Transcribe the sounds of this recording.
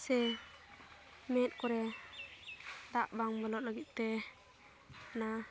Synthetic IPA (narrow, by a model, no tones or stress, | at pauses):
sɛ | mɛt̪̚kɔɾɛ | d̪aʔbaŋbɔlɔt̚ləɡit̪̚t̪ɛ | na